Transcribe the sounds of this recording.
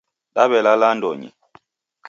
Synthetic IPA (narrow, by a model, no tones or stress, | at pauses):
ɗaβɛlalandɔɲḭ